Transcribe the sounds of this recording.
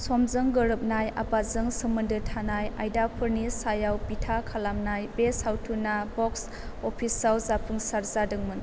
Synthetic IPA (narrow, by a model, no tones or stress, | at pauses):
sɔmzɯŋɡɯɾɯp̚najabazɯŋsɯmɯndɯtʰanajajdapʰɯɾnisajawpitʰakʰalamnajbeshawtʰunabɔks | opʰisawzapʰɯŋsaɾzadɯŋmɯn